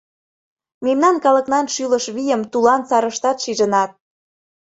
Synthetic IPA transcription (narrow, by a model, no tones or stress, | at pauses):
memnɑnkɑlə̆knɑnʃyləʃβijəmt̪ulɑnt͡sɑɾəʃt̪ɑt̪ʃiʒə̆nɑt̪̚